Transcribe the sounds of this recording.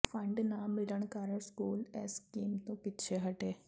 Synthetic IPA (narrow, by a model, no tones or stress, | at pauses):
pʰə̃ɳɖnamɪləɳ̃kaːɾəskuːlɛskiːmt̪õpɪːt͡ʃʰeɦɐʈeː